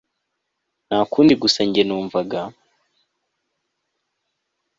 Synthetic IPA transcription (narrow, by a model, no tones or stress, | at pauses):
nakuːndiɡusaɲɟenuːɱvaɡa